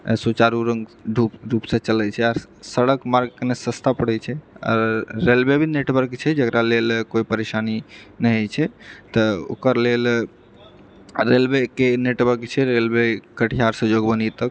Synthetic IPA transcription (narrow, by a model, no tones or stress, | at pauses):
sut͡ʃaɾuɾəŋɡɖʱupɾupsə̃t͡ʃəlɛt͡ʃʰɛaɾ | səɽəkmaɾɡknesəst̪ʰapəɽɛt͡ʃʰɛɔ̰ɾːelbebʱineʈbəɾkt͡ʃʰɛd͡ʒəkɾalelkoipəɾesaninɛjɦt͡ʃʰɛt̪ɔo̰kəɾlel | ɾelbekeneʈbəɾkt͡ʃʰɛɾelbekəʈʰijaɾsəd͡ʒoɡbənit̪ək